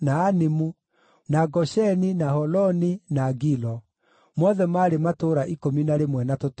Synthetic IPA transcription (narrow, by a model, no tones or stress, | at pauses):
naːnimu | naɡɔɕɛninahɔlɔninaɡilɔ | mɔðɛmaːɾematoɾaʔikominaɾemwɛnatot